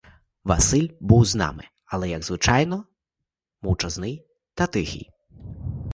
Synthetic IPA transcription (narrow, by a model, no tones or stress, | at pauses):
ʋɐ̰sɪlʲbuwznɑ̰mɪ | ɐlˠɛjɐɡzʋɪt͡ʃɑjnɔ | mɔwt͡ʃɐznɪj | t̪ɐt̪ɪxʲḭj